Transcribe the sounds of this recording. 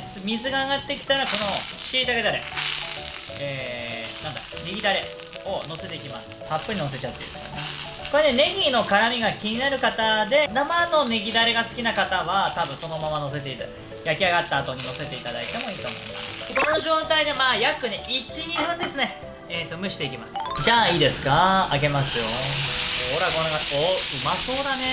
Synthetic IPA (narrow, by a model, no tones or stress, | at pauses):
sɨmʲizɨɡaːɡat̪ːe̞kʲi̥t̪ajoɾako̞no̞ɕiːd̪aɡed̪aɾḛ | eːnãnd̪aneɡʲid̪aɾe̞ | o̞no̞se̞t̪e̞ikʲimasɨ̥hapːɯ̟ɲ̟ino̞s̬e̞t͡ɕat̪ːe̞id̪sne | ko̞ɾenene̞ɡʲino̞kaɾamʲiɡakʲiɲ̟inaɾɯ̟kat̪ad̪e̞namano̞neɡʲid̪aɾe̞ɡasɨ̥kʲinakat̪aβat̪abɯ̟̃ɰ̃so̞no̞mamano̞s̬e̞t̪e̞iɾɯ̟̰ | jakʲiaɡat̪ːaːt̪o̞ɲ̟ino̞se̞t̪e̞it̪ad̪a̰it̪e̞mo̞iːt̪o̞ːmo̞ima̰sɨ̥k̪o̞no̞ʑo̞ːt̪aid̪e̞maːjakɯ̟neʔit͡ɕiɲ̟iɸɯ̟̃nd̪e̞sɨne̞ | eːt̪ːo̞mɯ̟ɕi̥t̪e̞ikʲimasɨ̥d͡ʑaːiːd̪e̞sɨ̥kaaɡe̞masɨjo̞oɾaɡonaɡaoɯ̟maso̞ːd̪ane̞